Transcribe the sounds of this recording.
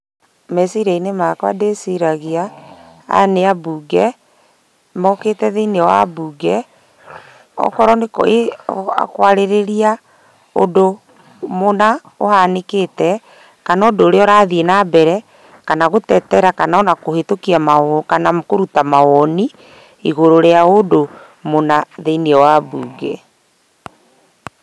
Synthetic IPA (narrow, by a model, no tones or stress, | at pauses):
mɛsiɾainemakwadesiɾaɣia | a̰neabuːɡɛ | mɔkeːtɛðeineɔwa̰buːɡɛ | ɔ̰kɔɾɔnekea̰kwaɾeɾeɾia | o̰do | mona | o̰haneketɛ | kanaodoːɾeɔɾaðienabɛɾɛ | kanaɣotɛtɛɾakanaɔnakohetokiamakanamkoɾutamawɔni | iɣoɾoɾeaodo | monaðeneɛwabuːɡɛ